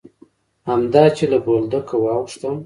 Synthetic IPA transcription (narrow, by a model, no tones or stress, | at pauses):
hamd̪ɑt͡ʃelabold̪əkəwɑwʂt̪əm